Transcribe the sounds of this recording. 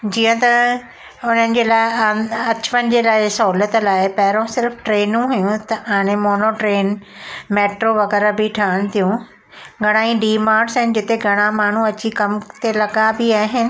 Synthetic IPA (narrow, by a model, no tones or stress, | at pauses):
d͡ʑiːə̃t̪ɐ | ʊn̤ənɪ̆d͡ʑeːlaːɪɐt͡ɕʋənɪ̆d͡ʑeːlaːɪsɐɦuːlət̪laːɪpɐɦɪɾõsɪɾfʈɾeːnũɦʊjũt̪ɐʔaːɽ̃ẽmoːnoʈɾeːn | meːʈɾoʋɐɣɛːɾabɪʈʰaːəɽ̃t̪ʰijũ | ɡʱɐɽ̃aːĩɖiːmaːɾɖsɦɪnɪd͡ʑɪt̪eɡʱɐɽ̃ãmaːɳ̤ũɐt͡ɕikɐmt̪elɐɡabiaːɦɪnɪ̆